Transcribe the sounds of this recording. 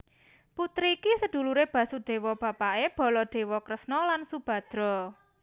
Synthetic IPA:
put̪ɾikisəd̪̥ṳluɾeb̥ä̤suɖ̥e̤wɔb̥ä̤paʔeb̥ɔ̤lɔɖ̪̥e̤wɔkɾəsnɔlansub̥a̤d̪̥ɾɔ

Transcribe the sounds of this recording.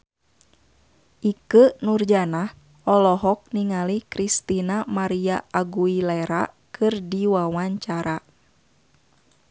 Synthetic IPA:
ʔikənurd͡ʒanah | ɔlɔɦɔk̚niŋalikɾist̪inamaɾiaʔaɡuilɛɾa̰ | kʰɨrdiwawaɲt͡ʃaɾa

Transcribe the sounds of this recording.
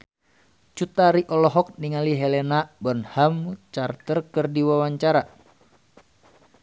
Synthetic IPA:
t͡ʃut̪aɾiʔɔlɔɦɔk̚niŋaliɦelenabɔnhamt͡ʃart̪ərkɨrdiwawaɲt͡ʃaɾa

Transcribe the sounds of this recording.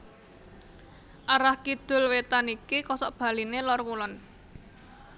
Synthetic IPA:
ʔaɾahkid̪̥ʊ̤lwet̪anikikɔsɔʔb̥a̤linelɔrkulɔn

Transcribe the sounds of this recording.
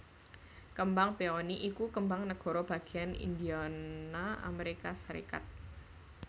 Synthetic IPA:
kəmbaŋpeɔniʔikukəmbaŋnəɡ̥ɔ̤ɾɔb̥a̤ɡ̥i̤anḭnd̪ianaa̰meɾikasəɾḭka̰t̪̚

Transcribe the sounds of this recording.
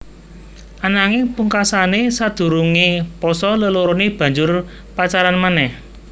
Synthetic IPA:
ʔanaŋipuŋkasanesad̪̥ṳɾuŋipɔsɔləloɾonib̥ä̤ɲd͡ʒʊr | pat͡ʃaɾanmanɛh

